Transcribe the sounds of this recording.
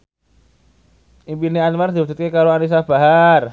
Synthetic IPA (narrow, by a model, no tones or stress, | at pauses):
ʔimpinianmard̪iwud͡ʒ̥u̥t̪̚kekaɾoanis̬ab̥aɦar